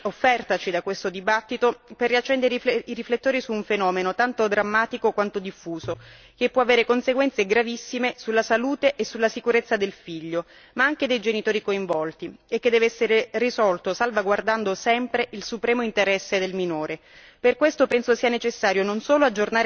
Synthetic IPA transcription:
ofːɛrt̪at͡ʃid̪akwest̪od̪ibat̪ːit̪operːiat͡ʃːɛnd̪eɾiɾiflet̪ːoːɾisuːɱfenɔːmenot̪ant̪od̪ɾamːaːt̪ikokwant̪od̪ifːuːzo | k̟epːwɔaveːɾekonseɡwɛnt̪seɡɾavisːimesulːasaluːt̪eʔesːulːasikuɾet̪sːad̪elfiʎːo | maaŋk̟ed̪ejd͡ʒenit̪oːɾikoiɱvɔlt̪iekːed̪ːɛːveɛsːeɾerizɔlt̪osalvaɡward̪and̪osɛmpɾeʔilsupɾɛːmoint̪eɾɛsːed̪elminoːɾe | perkwest̪opɛnsosiːanet͡ʃesːaːɾjononsoːload͡ʒornaːɾ

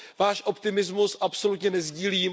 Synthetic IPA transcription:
vaːʃʔo̞pt̪ɪmɪzmusʔapso̞lut̪ɲɛnɛzɟiːliːm

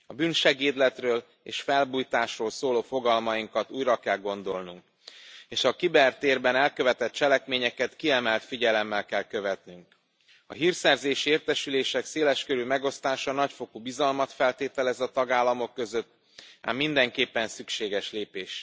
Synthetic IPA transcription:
ɒbyːnʃɛɡeːd̪lɛt̪røːl | ḛːʃfɛlbuːjt̪aːʃroːlsoːloːfo̞ɡɒlmɒjiŋkɒt̪uːjrɒkɛlɡo̞n̪d̪o̞lnuŋk | eːʃɒkibɛrt̪eːrbɛnɛlkøvɛt̪ɛt̪̚t͡ʃɛlɛkmeːɲɛkɛt̪kiɛmɛlt̪fiɟɛlɛmːɛlkɛlkø̞vɛt̪nyŋk | ɒ̰ɦirsɛrzeːʃieːrt̪ɛʃyleːʃɛkseːlɛʃkøɾymɛɡo̞st̪aːʃɒnɒcfo̞kubizɒlmɒt̪fɛlt̪eːt̪ɛlɛzɒt̪ɒɡaːlːɒmo̞kːøzø̞t̪ː | a̰ːmːind̪ɛŋkeːpːɛnsykʃeːɡɛʃleːpeːʃ

